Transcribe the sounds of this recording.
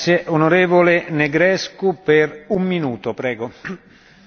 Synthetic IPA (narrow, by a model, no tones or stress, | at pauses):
sjeʔonoɾeːvoleneɡɾɛskuperumːinuːt̪opɾɛːɡo